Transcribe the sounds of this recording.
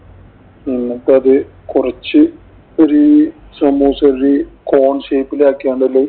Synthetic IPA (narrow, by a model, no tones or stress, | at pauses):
inːɐʈːɐðɨ | kurɐt͡ɕːɨ | oɾi | sɐmuːsɐɾɾiko̞ːɳʂeːpːileaːkːiaːɳɖɐlːe